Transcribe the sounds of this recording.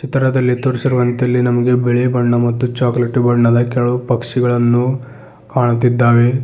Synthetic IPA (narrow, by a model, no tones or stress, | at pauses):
t͡ʃit̪ɐɾɐd̪ɐlːit̪oɾisiɾuʋɐnt̪jɐlːinɐmɐɡe̞beɭebɐɳːɐmɐt̪ːut͡ʃaːkleʈbɐɳːɐd̪ɐkɛɭuupɐkʂiɡɐɭɐnːu | kaːɳut̪ːid̪ːaːʋe̞